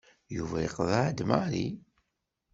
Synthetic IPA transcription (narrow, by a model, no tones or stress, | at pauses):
juvæjəqðˤaʕd̪maɾi